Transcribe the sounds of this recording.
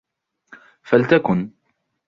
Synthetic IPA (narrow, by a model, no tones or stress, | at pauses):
falt̪akʊn